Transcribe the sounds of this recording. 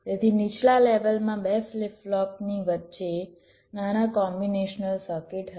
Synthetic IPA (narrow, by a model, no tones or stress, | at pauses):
t̪et̪ʰinit͡ʃʰlaleʋəlmãbɛflɪflɔpniʋətːʃe | nanakɔmbineʃnəlsəkeʈɦə